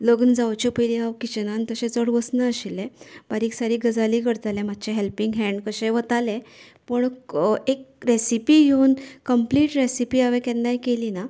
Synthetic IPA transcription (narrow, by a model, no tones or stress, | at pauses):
ləɡənd͡zawt͡ɕepəjliɦawkit͡ɕənant̪əɕẽt͡səɽʋəsnaəɕilːẽb̥aɾiːksaɾiːɡəd͡zaliːkəɽt̪alẽmat̪̚ːt͡ɕeɦelpiŋɡɦɛ̃ɳɖkəɕẽʋət̪alẽ | pəɳekɾesipiːjewnkəmpliːʈɾesipiːaʋekɛ̃nːajkelina